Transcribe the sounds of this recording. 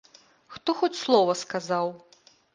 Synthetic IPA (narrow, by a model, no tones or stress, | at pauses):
xt̪ɔxɔt͡sʲslˠɔvɐskazaw